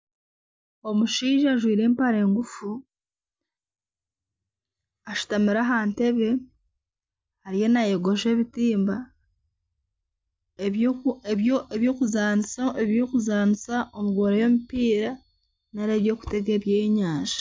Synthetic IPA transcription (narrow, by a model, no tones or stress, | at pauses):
o̞muʃiːʒaʒwiːɾe̞ːmpaɾe̞ːŋɡufu | aʃu̥tamiɾaɦaːnte̞βe̞ | haɾije̞najeɡo̞ʒe̞ːβitiːmba | eβjoːkuzaːnisaeβjo̞ːkuzaːnisaʔomuɡwoːɾejo̞mipiːɾa | naɾe̞ːβjo̞ːku̥te̞ɡeβjeɲaːnʒḁ